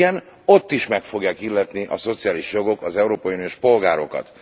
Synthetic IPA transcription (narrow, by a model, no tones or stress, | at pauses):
ɛn | o̞t̪ːiʃmɛkfo̞ɡjaːkilːɛt̪niʔɒso̞t̪sijaːliʃjo̞ɡo̞kɒzɛuɾoːpɒjiunijo̞ʃpo̞lɡaːɾo̞kɒ̰t̪